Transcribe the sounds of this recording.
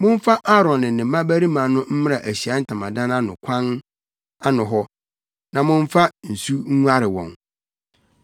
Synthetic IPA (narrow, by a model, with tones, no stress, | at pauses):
mʊ̃˦n˦fa˦ʔa˦ɾɔ̃˨nːɪ̃˨nɪ̃˨mã˦bæ˦ɾi˦mã˨nʊ̃˦m̩˦mɪ̃˦ɾa˨ʔæ˨ɕi˨a˦n̩˦tʰã˨mã˨dã˦nã˦nʊ̃˨kʷʰã˦n | a˦nʊ̃˨ɦɔ˦ | nã˨mʊ̃˦n˦fa˦n̩˨su˦ŋ̩˦ŋu˦a˦ɾɪ˨wɔ̰̃˨n